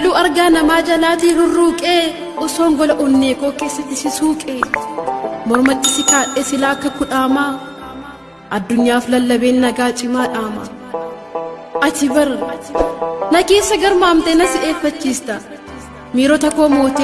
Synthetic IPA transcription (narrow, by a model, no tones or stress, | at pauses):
luːɐɾɡaːnɐmaːd͡ʒɐlaːt̪iːhʊrːuːkʼeː | ɔsoːŋɡɔlɐʔʊnːeːkoːke̞ːsːɐt̪ːɪsɪsuːkʼeː | mɔɾmɐt̪ːɪsɪkaːᶑeːsɪlaːkːɐkʊᶑaːmaː | ʔɐd̪ːʊɲːaːflɐlːɐbe̞ːnːɐɡaːt͡ʃʼɪmaːᶑaːmɐ̰ | ʔɐsɪbɐɾ | nɐke̞ːsːɐɡɐɾmaːmt̪ɛnɐsɪe̞ːfːɐt͡ʃːiːst̪ɐ | miːɾoːt̪ɐkːoːmoːt̪e